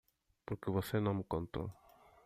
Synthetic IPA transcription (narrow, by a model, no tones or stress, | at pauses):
poɾkɪβosenɐ̃mkõnt̪o̰